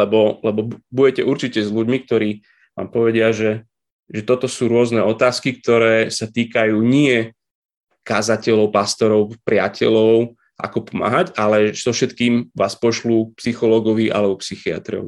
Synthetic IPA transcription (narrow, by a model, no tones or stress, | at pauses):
lɛbɔlɛbɔbbuɟɛcɛʔuɾt͡ʃicɛzluɟmik̚t̪ɔɾiː | ʋa̰ːmpɔʋɛɟɪaʒɛ | ʒɛt̪ɔt̪ɔsuːɾʊɔznɛɔt̪aːskik̚t̪ɔɾɛːsat̪iːkajuːɲɪɛ | kazacɛlɔʊpast̪ɔɾɔʊpɾɪacʰɛ̰lɔʊ | ʔa̰kɔpɔma̰ːɦaɟalɛz̥ɔfʃɛt̪kiːmʋaːspɔʃlupsixɔlɔːɡɔʋiʔa̰lɛbɔpsixia̰t̪ɾɔ̰ʊ